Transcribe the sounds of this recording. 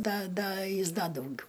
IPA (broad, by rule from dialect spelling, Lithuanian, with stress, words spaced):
ˈdɐ ˈdɐ ˈjɪs ˈdɐ dɐʊˈɡʲʊ